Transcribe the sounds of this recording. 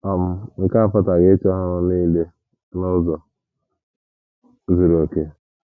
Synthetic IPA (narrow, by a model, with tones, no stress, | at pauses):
ɔ˨m̩˦ŋ̩˨ka˦˨fa˦ta˨ɡe˦t͡ʃɔ˦ɦa˦nʊ˦niː˦le˦ | nʊ˦zɔ˨ | zi˨ɾo˨ke˦